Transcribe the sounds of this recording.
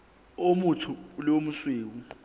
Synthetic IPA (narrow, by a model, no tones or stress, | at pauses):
omutʰulomusweːk̬u